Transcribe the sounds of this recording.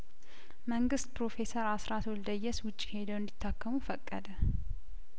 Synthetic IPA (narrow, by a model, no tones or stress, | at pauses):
məŋɡɨst̪pɾo̞fe̞səɾasɾat̪ʰold̪əjːɛswʊt͡ʃʼːi̥he̞d̪əwɪnd̪it̪ʰːakʰːəmufəkʼːə̰d̪ə